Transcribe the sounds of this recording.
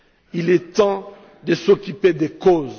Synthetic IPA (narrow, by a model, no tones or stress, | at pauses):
ilɛt̪ɑ̃ | d̪əsokyped̪ekoz